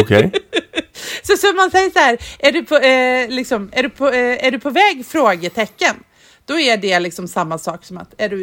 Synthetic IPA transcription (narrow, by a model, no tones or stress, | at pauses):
ɔkʰɛj | sɔsɔmansɛjːəʂaɦæːɾæɖɵpʰɔlɪksɔmæɖɵpʰɔæɖɵpʰɔvɛːɡfɾoːɡət̪ʰɛkːən | d̪̥ɔæɖɛlɪksɔmsamːasɑːksɔma̰t̪æɖɵ